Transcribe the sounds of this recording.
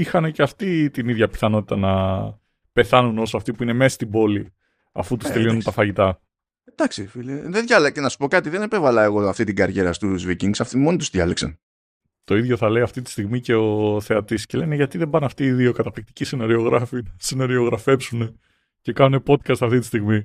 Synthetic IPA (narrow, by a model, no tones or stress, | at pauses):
ixɐne̞ceɐft̪it̪iniðʝɐpi̥θɐno̞t̪i̥t̪ɐnɐ | pe̞θɐnuno̞soɐft̪ipuineme̞sɐst̪ibo̞li | ɐ̰fut̪ust̪e̞lio̞nunt̪ɐfɐʝit̪ɐ | ed̪̥ɐksifiliðeðʝɐlecenɐsu̥po̞kɐt̪iðenepe̞vɐlɐeɣo̞ɐft̪it̪iɡɐɾʝeɾɐst̪uzviciŋɡsɐft̪imonit̪uzðʝɐleksɐn | t̪o̞iðʝo̞θɐle̞jɐft̪it̪i̥st̪iɣmice̞o̞θe̞ɐt̪isce̞le̞neʝɐt̪iðembɐnɐft̪iːðio̞kɐt̪ɐplik̚t̪i̥cisinɐɾio̞ɣɾɐfinɐsinoɾio̞ɣɾɐfe̞psune̞ | ce̞kɐnune̞po̞t̪kɐst̪ɐft̪it̪i̥st̪iɣmi